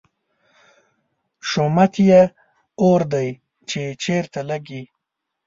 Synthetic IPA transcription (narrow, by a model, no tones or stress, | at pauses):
ʃomat̪je | oɾd̪aj | t͡ʃet͡ʃeɾt̪alaɡi